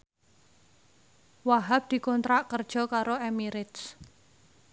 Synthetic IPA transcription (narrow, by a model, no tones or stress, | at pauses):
waɦap̚d̪̥i̤kɔnt̪ɾaʔkərd̥ʒ̥ɔ̤kaɾoemiɾɪt̪s